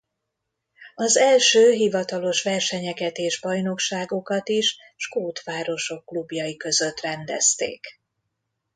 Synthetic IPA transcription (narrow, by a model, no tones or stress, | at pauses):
ɒzɛlʃøːɦivɒt̪ɒlo̞ʃʋɛrʃɛɲɛkɛt̪eːʒbɒjno̞kʃaːɡo̞kɒt̪iʃ | ʃkoːt̪ʋaːɾo̞ʃo̞kːlubjɒjikø̞zø̞t̪ːrɛnd̪ɛ̰st̪ḛːk